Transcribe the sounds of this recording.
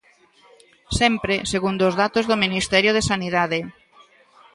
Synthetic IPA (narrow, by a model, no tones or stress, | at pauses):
sɛmpɾeseɣund̪ʊzðat̪ozðominist̪ɛɾjoð̞esaniðaðe